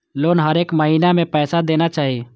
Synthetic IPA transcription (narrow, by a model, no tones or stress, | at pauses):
loːnɦəɾeːkməɦinamẽpɛːsad̪eːnat͡ʃaːɦi